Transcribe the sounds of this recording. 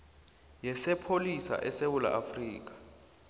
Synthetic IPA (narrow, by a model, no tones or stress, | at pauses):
jɛsɛpʰolisa̰ʔɛsewula̰ʔafriːk̬ḁ